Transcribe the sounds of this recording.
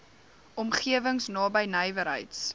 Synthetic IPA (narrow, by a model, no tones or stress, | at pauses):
ʔɔmχiəvəŋsnɑːbəjnəjvəɾɦə̰jts